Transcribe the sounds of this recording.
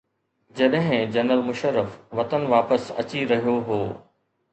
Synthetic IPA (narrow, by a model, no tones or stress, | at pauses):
d͡ʑɐɗɦɪ̃d͡ʑɐnəlmʊʃəɾːəfʋɐt̪ənʋaːpəsɐ̰t͡ɕiɾɐɦijoɦoː